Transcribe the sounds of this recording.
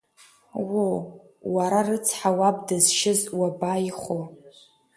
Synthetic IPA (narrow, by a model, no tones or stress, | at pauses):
wo | waɾarɨt͡sʰħawab̚dɨzʃɪzwabajiχo